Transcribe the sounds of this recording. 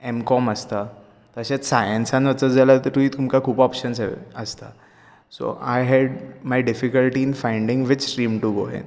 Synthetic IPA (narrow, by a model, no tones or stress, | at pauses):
emkɔməst̪a | t̪əɕat͡ssajə̃nsãnʋət͡səd͡zalat̪əɾt̪uit̪umkakʰuːpɔpɕənsɛ̰əst̪a̰ | so̰ʔajɦɛɖmajɖɪfikəlʈiːnfãjɳɖɪ̃ŋɡʋɪt͡ʃɾĩːmʈuɡo̰ɛ̰̃n